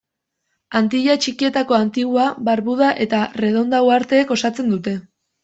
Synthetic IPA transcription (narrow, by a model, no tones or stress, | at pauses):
ant̪iʎat͡ʃikie̞t̪ako̞ant̪iɣ̞uaβaɾβuð̞aʔe̞t̪are̞ð̞o̞nd̪awaɾt̪e̞ːko̞sat͡se̞nd̪ut̪e̞